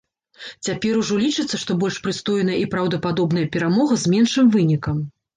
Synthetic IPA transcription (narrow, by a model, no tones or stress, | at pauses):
t͡sʲapʲɛɾuʐɔlʲit͡ʂɨt̪sːɐʂt̪ɔbɔlʲʂpɾɨst̪ɔjnɐjɐipɾɐwd̪ɐpad̪ɔbn̪ɐjɐpʲɛɾamɔɣɐzmʲɛnʂɨmvɨnʲikɐm